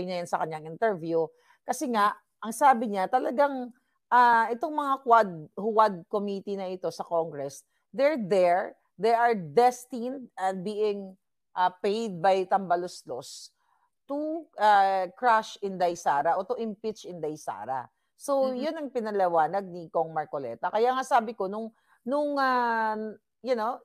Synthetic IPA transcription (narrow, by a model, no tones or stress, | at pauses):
jnɐjansɐkɐɲɲaŋɪnt̪ɛɹvju | kɐsɛŋaʔ | ʔɐŋsaːbɪɲat̪ɐlɐɡaŋ | ʔaːʔɛt̪o̞ŋmɐŋakwad̪̚hʊwad̪̚komit̪inɐʔɪt̪o̞sɐkoŋɡɾɛs | d̪ɛɹd̪ɛɹ | d̪ɛjʔɐɹd̪ɛst̪ind̪̚ɐn̚biːʔɪŋ | ʔapejd̪̚bɐjt̪ɐmbɐloslos | t̪uʔakɹaʃɪnd̪ɐjsaːɾɐʔot̪ʊʔɪmpɪt͡ʃɪnd̪ɐjsa̰ːɾɐ̰ | so̞wjʊnɐŋpɪnɐlɛwaːnɐɡ̚nikoŋmɐɹkolɛ̰t̪ɐkɐjaŋasaːbɪko̞nʊŋ | nʊŋa | jʊno